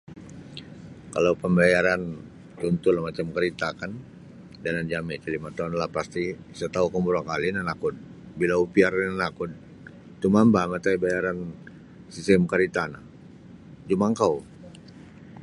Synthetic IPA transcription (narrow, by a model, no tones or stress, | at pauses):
kalaupəmbajaɾan | t͡ʃunt̪ulahmat͡ʃamkaɾit̪akan | daland͡ʒamɛt͡ʃəlimat̪aunlahpast̪i | sat̪aukəmbuɾakalinanakʊd̪̚ | bilaupiarnanakud̪̚ | t̪umambamat̪aibajaɾan | sisɛmkaɾit̪ana̰h | d͡ʒumaŋkaw